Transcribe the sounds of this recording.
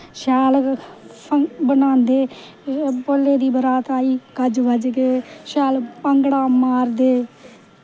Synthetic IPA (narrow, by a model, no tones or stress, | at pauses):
ʃaːl | əbənãːnd̪eː | polːeːd̪iːbəɾaːt̪aːiːkəd͡ʒʋəd͡ʒkeʃaːlpəŋɡɽaːmaːɾd̪eː